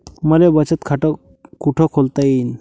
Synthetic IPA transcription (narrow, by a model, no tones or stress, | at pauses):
məlebət͡ɕət̪kʰaʈɔ | kuʈʰɔkʰolt̪ain